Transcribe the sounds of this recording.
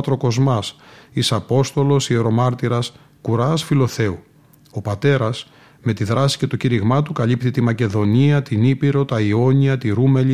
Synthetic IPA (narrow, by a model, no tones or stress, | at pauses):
t̪ɾo̞ko̞zmɐsisɐpo̞st̪o̞lo̞sie̞ɾo̞mɐɾt̪iɾɐs | kuɾɐsfilo̞θe̞u | o̞pɐt̪e̞ɾɐs | me̞t̪iðɾɐsi̥ce̞t̪ociɾiɣmɐt̪ukɐlip̚t̪it̪imɐce̞ðo̞niɐt̪inipiɾo̞t̪ɐio̞ɲiɐt̪iɾumeli